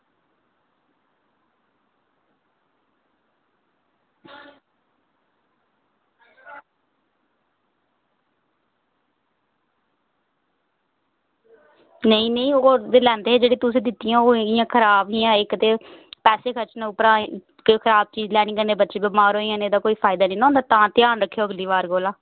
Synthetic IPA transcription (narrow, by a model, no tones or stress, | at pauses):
nəĩːnəĩːoːeːlɛ̃ːnd̪eːed͡ʒeːɽeːt̪ʊsĩːd̪ɪt̪ːɪjãːoːɪjãːkʰəɾaːbɦijãːɪkət̪eːpɛːseːkʰət͡ʃnʊpɾãː | kːkʰəɾaːb̚t͡ʃiːd͡ʒlɛːɽiːkəneːbətːʃeːbɪmaːɾoːijãːneːd̪aːkoːiːpʰaːɪd̪aːnĩːnõːnd̪aːt̪ãːt̪jaːnɾəkʰːjoːəɡliːʋaːɾɡoːlãː